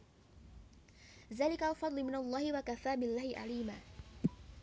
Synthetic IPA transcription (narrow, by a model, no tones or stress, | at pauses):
ðaːlɪkalfɑd̪ˤlɪmɪnalˤːɑːhɪwakaθaːbɪlːaːhɪʔa̰liːmaː